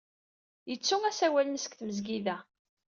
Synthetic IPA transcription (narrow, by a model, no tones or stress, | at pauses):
jət͡sːʊŋæsæwælənsə̥kθməzɡiðæ